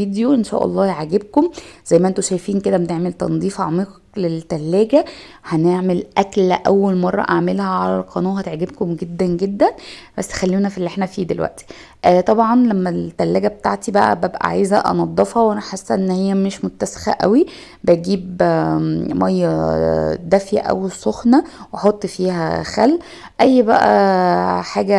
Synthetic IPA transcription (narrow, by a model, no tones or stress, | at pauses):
id̪joʔenʃæ̰ːʔɑ̰lˤːɑːjeʕaɡeb̚komzæjːmæʔent̪oʃæjfiːnked̪æmt̪eʕmelt̪ɑ̰nd̪ˤiːfɑʕmiːqklelt̪ːælːæːɡæ | hæneʕmelʔæklʔæwːælmɑrˤːɑ̰ʔaʕmelhæʕalæ̰lqʰɑnuːhæt̪eʕɡebkomɡed̪ːænɡed̪ːænbæ̰sːxælːiːnæfilːʔeħnæfiːd̪elwæ̰ʔt̪i̥ | ʔt̪ˤɑbʕɑnlæmːælt̪ːælːæːɡæbet̪aʕt̪ibæʔæ̰bæbʔæ̰ʕa̰jzæʔɑ̰nɑd̪ˤːɑfhɑwʔænæħesːʔenːhejːæmeʃmot̪ːæse̥xæ̰ʔæwi | bæjɡiːb | mɑjːɑ | d̪æfjæ̰ʔæ̰wsˤoxnæwɑħot̪ˤːfiːhæ̰xæ̰lː | ʔæjːbæʔæ̰ | ħaːɡæ